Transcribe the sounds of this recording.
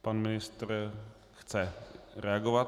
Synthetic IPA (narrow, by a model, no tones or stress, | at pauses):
panmɪnɪst̪r | xt͡sɛɾɛaɡovat̪